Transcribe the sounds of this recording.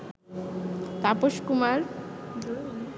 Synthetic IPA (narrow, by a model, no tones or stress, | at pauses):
t̪apoʃkumaɾ